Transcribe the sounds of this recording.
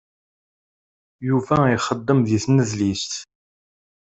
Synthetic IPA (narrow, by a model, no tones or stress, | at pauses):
juvæiχəd̪ːəmðiθnəzlist̪